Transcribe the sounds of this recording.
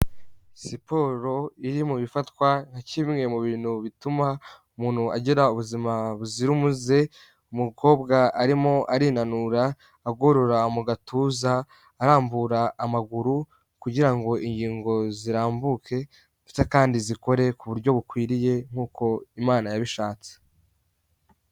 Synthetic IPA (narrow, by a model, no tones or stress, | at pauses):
sipo̞ɾo̞iɾimuβifatkwan̥haciβmŋe̞muβiːn̥huβitumaumuːn̥huaɟiɾauβuzimaβuziɾumuze̞ | umuko̞ːbɡaʔaɾimo̞ʔaɾiːnanuɾaː | ɡoɾoɾamuɡatʰuːzaː | ɾaːmbuɾaːmaɡuɾu | kuɟiɾaŋɡo̞ʔiɲɟiːŋɡo̞ziɾaːmbukʰe̞ | esekaːndiziko̞ɾe̞kuβuɾɟo̞βukwiːɾije̞ŋ̥uːko̞imaːnajaβiʃaːt͡se̥